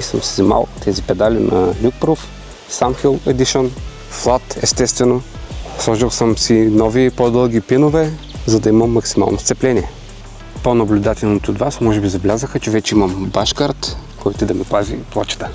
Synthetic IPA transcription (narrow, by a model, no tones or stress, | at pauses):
isəmsɛzɛma̰lˠt̪ʰɛzipɛd̪alʲinɐ̰lʲuk̚pɾof | samxilˠɛd̪iʃon | flˠat̪ɛst̪ɛst̪vɛno | slˠɔʒilˠsəmsinɔvipod̪ɤlˠɡ̟ipinovɛ | zɐd̪ɐimɐmːɐksima̰lˠnost̪sɛplɛnʲiɛ | ponɐblʲʊd̪at̪ɛlˠnot̪ood̪vasmɔʒɛbizɐblʲazəxət͡ʃɛvɛt͡ʃɛimɐmbaʃkaɾt̪kɔjt̪ʊɛd̪ɐmiplˠazḭplˠat͡ʃə̥t̪ə̥